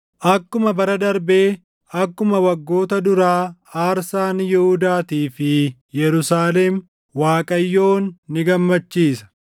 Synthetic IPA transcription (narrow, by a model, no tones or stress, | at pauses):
ʔɐkːʊmɐbɐɾɐd̪ɐɾbeː | ɐkːʊmɐwɐɡːo̞ːt̪ɐd̪ʊɾaːaːɾsaːnjɛhʊd̪aːt̪iːfɪjɛɾʊsaːlɛm | waːkʼɐjːo̞ːnːɪɡɐmːɐt͡ʃːiːsɐ̥